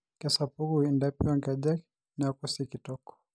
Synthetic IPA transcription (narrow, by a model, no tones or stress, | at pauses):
kɛsapuɡuindapiwaŋɡaʄaki | nakusikitɔkɔ̥